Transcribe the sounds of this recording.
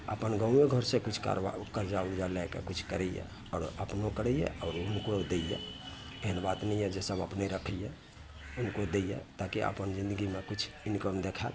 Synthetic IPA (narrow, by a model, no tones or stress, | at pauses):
ə̰pənɡə̃ʊeɡʱəɾsẽkut͡ʃʰka̰ɾakəɾd͡ʒauld͡ʒalɛkḛkut͡ʃʰkəɾɛjɛ̰ | ɔːɾəpnokəɾɛjɛ̰ɔːɾunkod̪ejɛ̰ | eɦənbat̪nɛjɛd͡ʒesəbə̰pneɾəkʰəjɛ | unkod̪ejɛ̰t̪akiʔə̰pənd͡ʒĩnd̪əɡimekut͡ʃʰ | inkəmd̪ekʰɛt̪